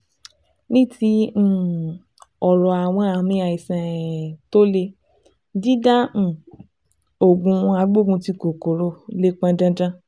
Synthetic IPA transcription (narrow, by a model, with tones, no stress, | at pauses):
nĩ˦tĩ˧˦˨ | ɔ˨ɾɔ˨a˨w̃ɔ̃˧a˨mĩ˨˦a˨i˨sɛ̃˨to˦le˧ | d͡ʒi˦dã˦˨ | o˨ɡũ˧a˧ɡ͡bo˦˨ɡũ˧ti˧ko˨ko˨ɾo˧˦le˦k͡pã˧dã˧dã˦